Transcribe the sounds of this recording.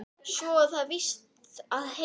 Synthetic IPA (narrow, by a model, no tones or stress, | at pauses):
sɔθaðvɪst̪ | aðhe